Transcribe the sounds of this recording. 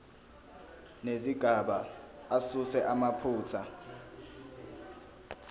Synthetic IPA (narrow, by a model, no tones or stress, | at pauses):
neziɡ̥ʱaɓaasusɛʔamapʰuːt͡sʰa